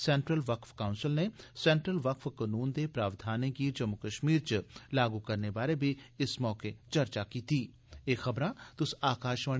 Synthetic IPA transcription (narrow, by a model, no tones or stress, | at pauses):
sɛ̃ːɳʈɾəlʋɐkfkaːʊ̃nsɪlnesɛ̃ːɳʈɾəlʋɐkfkɐnuːnd̪epɾaːʋd̪ʱaːnẽkid͡ʒɐmːʊkəʃmiːɾt͡ʃlaːɡukɐɾneʋaːlebʱiɪsmɔːket͡ʃɐɾt͡ʃakiːt̪ʰiː | eːxɐbɾãt̪ʊsaːkaːʃʋə